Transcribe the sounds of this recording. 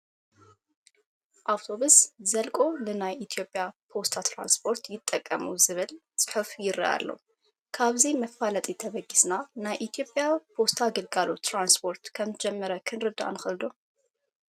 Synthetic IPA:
ʔawt̪ʰo̞βuszɐlkʼo̞nɨnajʔit̪ʰijo̞pʼjapʰo̞st̪ʰat̪ʰɾa̰nspʰo̞ɾt̪jɪt̪ʼːɐkʼːɐmuzɨβɨlt͡sʼɨ̥ħɨfjɪɾɐ̰ʔa̰lːo̰ | kʰaβzimɐfalɐt̪ʼit̪ʰɐβɐɡisnanajʔit̪ʰijo̞pʼjawpʰo̞st̪ʰaɡɨlɡalot̪ːɾanspʰo̞ɾt̪kʰɐmzɨd͡ʒɛmːɐɾɐkʰɨnɾɨd̪a̰nɨxɨld̪o

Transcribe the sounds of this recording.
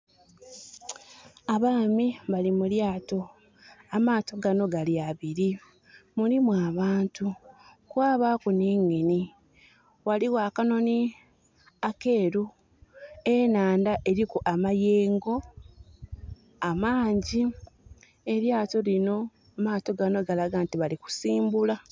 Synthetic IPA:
aβaːmiβalimuljaːto̞ | amaːto̞ɡano̞ɡaljaβiɾi | muɾimwaːβaːntukwaːβakuniːŋɡeni | waliwaːkano̞ni | ake̞ːɾu | enaːndaʔe̞ɾikuʔamajeːŋɡo̞ | amaːɲɟi | e̞ɾjaːto̞lino̞ | amaːto̞ɡano̞ɡalaɡaːntiβaliku̥siːmbula

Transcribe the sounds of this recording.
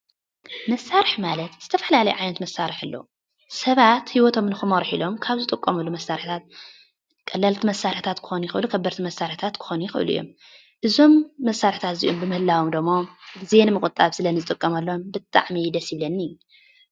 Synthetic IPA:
mɐsaɾɨħmalɐt̪z̥ɨt̪ʰɐfɐlalɐjuʕajnɐt̪mɐsːaɾɨħɨlːo̰ | sɐβat̪hiwɔt̪ʰo̞mnɨxɨmɐɾħilo̞mkʰaβzɨt̪ʼɨkʼːomulːumɐsaɾɨħt̪ʰat̪̚ | kʼɐlːɐlt̪ʰimɐsːaɾħt̪ʰat̪kʰɨ̥xonujɪxɨʔlukʰɐbːɐɾt̪ʰimɐsaɾħt̪ʰat̪kʰɨ̥xonujɪxɨʔɨ̰lṵjːo̞̰m | ʔɨzo̞mːɐsːaɾħt̪ʰat̪zḭʔombɨmɨhɨlːawomd̪ɨɡmːozenɨmɨkʼɨt̪ʼːaβsɨlɐnɨzɨt̪ʼɨkʼːɐmɐlːombɨt̪ʼa̰ʕmid̪ɐsjiβlɐnːiu

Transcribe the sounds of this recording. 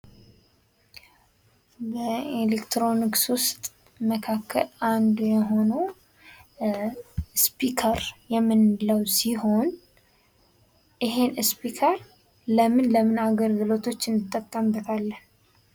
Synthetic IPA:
bəelekt̪ʰɾo̞nikswʊst̪ʼ | məkʰakʰːə̰land̪ujɛɦo̞nə | spikʰəɾjɛmːɨnləwsiho̞n | ɪɦenɨspikʰəɾ | ləmɨnləmɨnaɡəlɡɨlo̞t̪ʰo̞t͡ʃːɨnd̪ɨt̪ʼːəkʼːəmbət̪ʰalːən

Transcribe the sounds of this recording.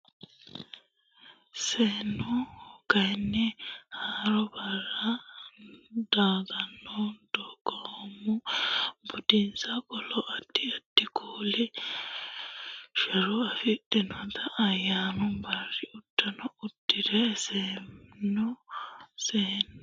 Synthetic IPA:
sɛnɔhkajnːɛhaɾɔbara | d̥aːɡanːɔd̥ɔɡɔmubudinsakɔlɔʔadiadːikʰuːli | ʃɛɾɔafiɗɛnɔt̪ʰaʔajanumbaɾiud̥ːanɔudːiɾɛsɛmnɔ | sɛn

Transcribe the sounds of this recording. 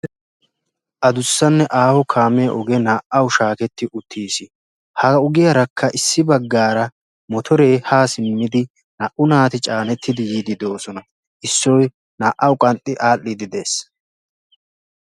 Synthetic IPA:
ʔɐd̪ʊsːɐnːɛʔaːhɔkʰaːmɛjɐʔɔɡɛnaːʔɐwʃaːkɛt̪ːɪʔʊt̪ʰːiːsɪ | hɐʊɡɪjɐɾɐkʰːɐʔɪsːɪbɐɡːaːɾɐ | mɔt̪ʰɔɾe̞ːhaːsɪmːɪd̪ɪ | nɐʔʊnaːt̪ɪt͡ʃʼaːnɛt̪ːɪd̪ɪjiːd̪ɪd̪o̞ːsɔnɐ | ʔɪsːɔj | naːʔɐwkʼɐnt̪ʼːɪʔaːlːɪd̪ɪd̪e̞ːs

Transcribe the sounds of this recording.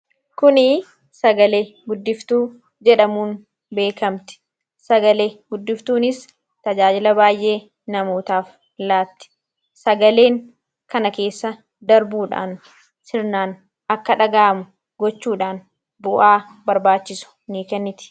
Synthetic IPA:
kʊnɪ | sɐɡɐle̞ːɡʊd̪ːɪft̪uː | d͡ʒɛᶑɐmuːn | be̞ːkɐmt̪ɪ̥ | sɐɡɐle̞ːɡʊd̪ːɪft̪uːnɪs | t̪ɐd͡ʒaːd͡ʒɪlɐbaːjʔe̞ː | nɐmo̞ːt̪aːf | laːt̪ːɪ̥ | sɐɡɐle̞ːŋ | kɐnɐke̞ːsːɐ | d̪ɐɾbuːᶑa̰ːn | sɪɾnaːn | ʔɐkːɐᶑɐɡaːmʊ | ɡɔt͡ʃːuːᶑaːn | bʊʔaː | bɐɾbaːt͡ʃːɪsʊ̥niːkɛnːɪt̪ɪ̥

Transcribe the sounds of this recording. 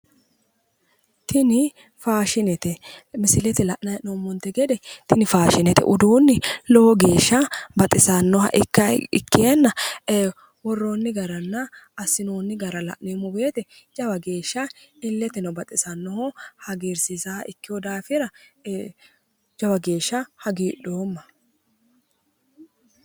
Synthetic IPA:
t̪ʰɪnɪ | faːʃɪnɛt̪ɛmɪsɪlɛt̪ɛlɐʔnɐnomːɔnt̪ːɛɡɛd̪ɛt̪ɪnɪfaːʃɪnɛt̪ɛ̰ʔʊd̪uːnːɪlɔhɔɡe̞ːʃːɐbɐt̪ʼɪsɐnːɔhɐ̰ʔɪkːɐɪ̰kːeanːɐeː | wɔrːoːnːɪɡɐɾɐnːɐːsɪnoːnːɪɡɐɾɐlɐ̰ʔnimʊbeːt̪ɛd͡ʒɐwɐɡe̞ːʃːɐɪlːɛt̪ɪnɐbɐt̪ʼɪsɐnːɔhohɐɡeːɾsɪzaːʔɪkːɪjɔd̪aːfɪɾɐ | d͡ʒɐwɐɡe̞ːʃːɐhɐɡiːᶑo̞ːmːɐ

